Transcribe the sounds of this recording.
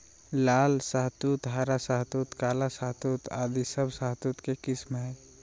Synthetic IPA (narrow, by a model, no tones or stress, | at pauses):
laːlsaɦt̪ut̪ɦaːɾasaɦt̪ut̪kaːlasaɦt̪ut̪a̰ːd̪isəbʱsaɦt̪ut̪kekɪsmɦɛ